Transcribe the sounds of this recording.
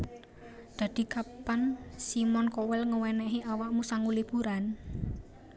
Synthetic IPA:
d̪̥ä̤d̪̥i̤kapansimɔnkɔwɛlŋəwɛnɛɦiʔawaʔmusaŋulib̥ṳɾan

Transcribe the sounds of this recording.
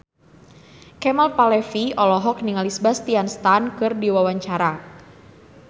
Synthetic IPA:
kɛmalpalɛfiɔlɔɦɔk̚niŋalisbast̪ianst̪ankɨrdiwawaɲt͡ʃaɾa

